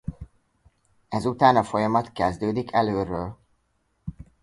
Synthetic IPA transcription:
ɛzut̪aːnɒfo̞jɒmɒt̪kɛzd̪øːd̪ikʰɛløːrøːl

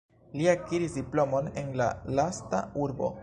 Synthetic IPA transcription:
liakiɾisdiplo̞mo̞ne̞nla̰lastauɾbo̞̰

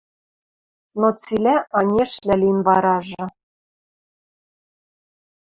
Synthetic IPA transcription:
not͡silʲæʔɑnʲeʃlʲælʲinβɑɾɑʒɤ̆

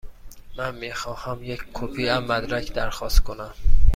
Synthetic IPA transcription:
mænmiːxɒːhæmjeckʰopʰiæmːæd̪ɾæcʰd̪æɾxɒːst̪̚kʰonæm

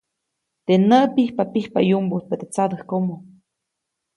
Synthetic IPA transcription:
t̪enəpihpapihpajumbut̪̚pet̪et͡sad̪əhkomo

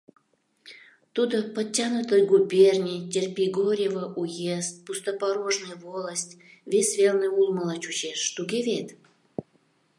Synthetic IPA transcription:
t̪ud̪opətʲːanut̪əjɡubʲernʲijtʲerʲpʲiɡoɾʲevəʔujest̪̚pust̪əpɑɾoʒnɨjvolˠəsʲtʲ | vʲesʲvʲelnɨjulˠməlˠɑt͡ɕut͡ɕeʃːt̪uɡʲevʲet̪

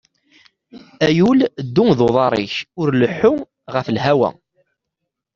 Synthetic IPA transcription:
æjuld̪ːuŋðoðˤɑɾˤḭçʊɾləħːʊ | ʁəflɦæwæ̰

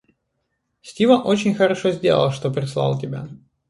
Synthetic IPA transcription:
sʲtʲivəʔot͡ɕɪnʲxəɾɐʂozʲdʲe̞̰lˠə̰lˠʂt̪o̞pɾʲɪslˠɑ̰lˠtʲɪbʲa̰

